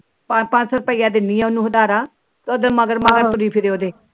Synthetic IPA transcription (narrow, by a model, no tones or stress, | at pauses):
papãt͡ʃsəɾpəiːaːd̪ɪniːɛːʊnːũːɦʊd̪aːɾaː | kod̪məɡəɾməɡəɾt̪ʊɾiːpʰɪɾeːoːd̪eː